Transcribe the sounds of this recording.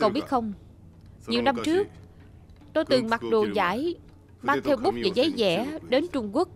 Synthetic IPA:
ə˧wɓi˦˥ət̚xə˧wŋ͡m | ɲi˨˩əwna˧mt͡ɕɨ˦˥ək̚ | t̪o˧jt̪ɨ˨˩ŋma˨˩t̚ɗo˨˩za̰ː˧˥j | maː˧ŋt̪ʰɛ˧wɓʊ˦˥k͡p̚vḛ˧˩zə˨˦jzɛ̰˧˩ɗe˨˦nt͡ɕʊ˧ŋ͡mku˦˥ək̚

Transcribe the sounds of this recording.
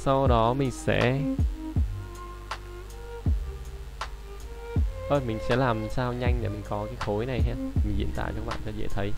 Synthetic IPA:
sa˧wɗɔ˨˦mï˨˩ŋ̟sɛ̰˧˥ | ʔəː˧jmï˨˩ŋ̟sɛ̰˧˥laː˨˩msaː˧wɲa˧jŋ̟ɗe˨˩mï˨˩ŋ̟kɔ˨˦kaː˨˦jxo˨˦jna˨˩jɦɛ˧˨m˨˩ŋ̟zḭ˧˨ənt̪a̰ː˧˨t͡ɕɔ˧˦ɓa̰ː˧˨nt͡ɕɔ˧zɛ̰˧˨˩t̪ʰə˨˦j

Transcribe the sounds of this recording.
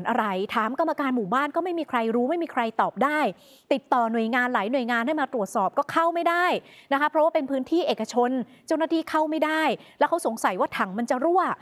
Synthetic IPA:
nʔa˧ɾa˧jt̪ʰaː˨˩˦mka˧mːa˧kaː˧nmuː˨˩baː˥˩nkɔː˥˩ma˥˩jmiː˧kʰɾa˧jɾuː˦˥ma˥˩jmiː˧kʰɾa˧jt̪ɔː˨˩p̚daː˥˩j | t̪i˨˩t̪ːɔː˨˩nu˨˩əjŋaː˧nlaː˩˦jnu˨˩əjŋaː˧nha˥˩jmaː˧t̪ɾu˨˩ət̪̚sɔː˨˩p̚kɔː˥˩kʰa˥˩wma˥˩jda˥˩jna˦˥kʰa˦˥pʰɾɔ˦waː˥pe˧npʰɯː˦˥nt̪ʰiː˥˩ʔeː˨˩kːa˧t͡ɕʰo˧n | t͡ɕa˥˩wnaː˥˩t̪ʰiː˥˩kʰa˥˩wma˥˩jda˥˩jlɛ˦˥kʰa˦˥wso˩˦ŋsa˩˦jwaː˥˩t̪ʰa˨˩˦ŋma˧nt͡ɕa˨˩ɾu˥˩ə

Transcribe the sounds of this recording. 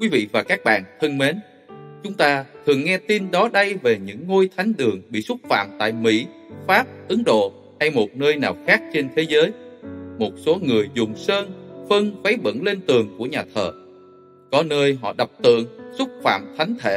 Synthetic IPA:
kwi˨˦vḭ˧˨vaː˨˩kaː˦˥k̚ɓa̰ː˧˨nt̪ʰə˧nme˨˦n | t͡ɕʊ˨˦ŋ͡mt̪aː˧t̪ʰɨ˨˩əŋːɛ˧t̪i˧nɗɔ˨˦ɗə˧jve˨˩ɲɨ̰˧˥ŋːo˧jt̪ʰa˨˦jŋ̟ɗ̪ɨ˨˩əŋɓḭ˧˨sʊ˦˥t̚fa̰ː˧˨mt̪a̰ː˧˨jmḭ˧˥ | faː˦˥p̚ʔɨ˨˦ŋɗo̰˧˨ | ha˧jmo˨˩t̚nəː˧jnaː˨˩wxaː˦˥k̚t͡ɕe˧nt̪ʰe˨˦zəː˨˦jmo˨˩t̚so˨˦ŋɨ˨˩əjzʊ˨˩ŋ͡msəː˧nfə˧ŋvə˨˦jɓə̰˧˥nle˧nt̪ɨ˨˩əŋku˧˩əɲaː˨˩t̪ʰəː˨˩ | kɔ˨˦nəː˧jɦɔ̰˧˨ɗə˨˩wk͡p̚t̪ɨ̰˧˨əŋsʊ˦˥k͡p̚fa̰ː˧˨mt̪ʰa˨˦jŋ̟t̪ʰḛ˧˩

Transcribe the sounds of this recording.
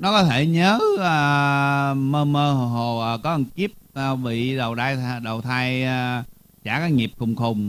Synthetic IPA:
nɔ˨˦kɔ˨˦t̪ʰe˧˩ɲəː˨˦əː˨˩ | məː˧məː˧ɦo˨˩ɦo˨˩ʔəː˨˩kɔ˨˦ʔə˧˩nki˦˥əp̚ːvḭ˧˨ɗə˨˩wɗ̪aː˧jtɗə˨˩wt̪ʰaː˧j | t͡ɕaː˧˩kaː˨˦jŋi˨˩p̚xʊ˨˩wŋ͡mxʊ˨˩wŋ͡m

